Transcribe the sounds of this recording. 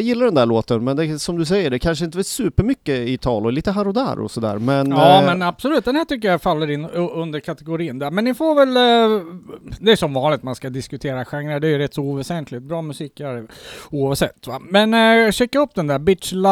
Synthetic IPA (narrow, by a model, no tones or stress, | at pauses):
jɪlːaɖɛnd̪æɭoːt̪ənmɛnd̪ɛsɔmd̪ɵs̬ɛjːəɖɛkʰanʂ̬əɪnt̪əɛsʉːpəɾmʏkːəɪt̪ʰɑ̰ːlɔliːt̪əɦaɾʊd̪æ̰ːɾɔ̰sɔd̪æ̰ːɾmɛnɑːmɛnabsɔlʉ̟ːt̪̚d̪ɛnhæːʈʏkːəɾjafalːəɾɪnːɵnd̪əɾkʰat̪ɛɡʊɾiːənd̪æːɾmɛnːɪfoːɾvɛl | d̪ɛæɾʂɔmvɑːnlɪɡ̚t̪manskad̪ɪskɵt̪ʰeːɾaɧaŋɾəɖɛːjɵɾɛt̪ːsɔvɛsɛnt̪ʰlɪt̪̚bɾɑːmɵsiːkæɾuːɑvsɛt̪ːamɛnɕɛkːaɵpːd̪ɛnd̪æːɾbɪt̪ʂla